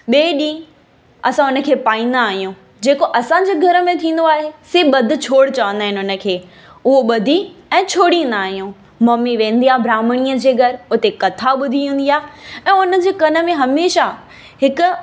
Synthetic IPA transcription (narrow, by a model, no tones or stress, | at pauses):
ɓeːɗĩː | ɐsãʊnə̆kʰeːpaːĩːn̆d̪aːɦijũ | d͡ʑeːkoʔɐsãɲd͡ʑeːɡʱɐɾə̆mẽt̪ʰĩːn̆d̪oaːɦeseːɓɐd̪ʱɪ̆t͡ɕʰoːɽt͡ɕɐʋə̃nd̪aːɦɪnɪɦʊnə̆kʰeː | ʊɦoɓɐd̪ʱiɛ̃ːt͡ɕʰoːɽĩn̆d̪aːɦijũ | mɐmːiʋẽːnd̪iaːbʱɾaːməɽ̃iəd͡ʑeːɡʱɐɾʊt̪ekɐt̪ʰaɓʊd̪ʱiɦũːnd̪iaːɦɛ̃ːʊnə̆d͡ʑeːkɐnə̆mẽɦɐmeːʃa | ɦɪkʊ̆